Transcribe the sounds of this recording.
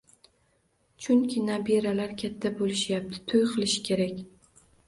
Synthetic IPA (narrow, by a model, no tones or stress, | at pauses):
t͡ʃʰʊŋkʲʰɪnabeɾalaɾkʲʰat̪ʰːabolɪʃjap̚t̪ʰɪ̥t̪ʰʊjqʰɨlˠɪʃɪ̥kʲe̞ɾakʲ